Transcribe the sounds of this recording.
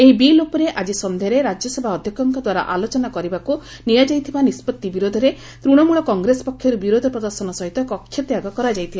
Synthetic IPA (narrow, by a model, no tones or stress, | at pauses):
eɦibilopɔɾeʔad͡ʒisɔnd̪ʱejɔɾeɾad͡ʒjɔsebʱaɔd̪ʱjɔkɔŋkɔd̪waɾa̰ʔalot͡ʃɔnakɔɾibaku | nijad͡ʒajt̪ʰibanispɔt̪ːibiɾod̪ʱɔɾe | t̪ɾuɽ̃ɔmuɭɔkɔŋɡɾesɔ̥pɔkʰːjɔɾubiɾod̪ʱɔpɾɔd̪ɔɾsɔnɔsɔɦit̪ɔkɔkʰːjɔt̪jaɡɔkɔɾad͡ʒajt̪ʰila